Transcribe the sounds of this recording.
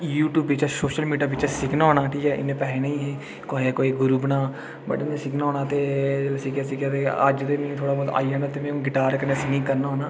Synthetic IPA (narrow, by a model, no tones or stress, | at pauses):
juːʈjuːbɪt͡ʃɛsoːʃəlmiːɖjaːbʋɪt͡ʃɛsɪknaːoːnaːʈʰiːkɛːʔɪ̰nːẽːpɛːɦeːnẽĩːɦeː | koːɦkoːiːɡʊɾuːbənaː | bə̰ʈɪnẽsɪknaːoːnaːt̪eːd͡ʒlesɪkjaːsɪkaːt̪eːəd͡ʒd̪eːnĩːt̪ʰoːɽaːbɔːd̪a̰ːiːɦãnd̪aːt̪emɛ̃ːũːɡɪʈaːɾkəɾneːsɪkĩːkəɾnaːɦoːnaː